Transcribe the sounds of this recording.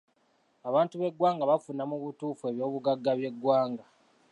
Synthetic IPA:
aβaːntuβe̞ɡwaːŋɡaβafunamuβutuːfue̞βjo̞ːβuɡaɡːaβje̞ɡwaːŋɡa

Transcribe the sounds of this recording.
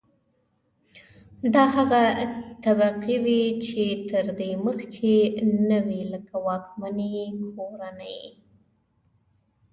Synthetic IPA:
d̪ɑɦaɣat̪abaqiwit͡ʃet̪əɾd̪eməxkʰenawiləkawɑkmanekʰoɾanəj

